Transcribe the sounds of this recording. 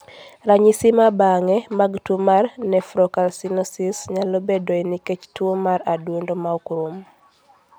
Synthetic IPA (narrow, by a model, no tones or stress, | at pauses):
ɾaɲisimabaŋɛmaɡtumarnɛfɾɔkalsinɔsisɲalobedoiniket͡ʃtwomaɾaduondomaɔkɾum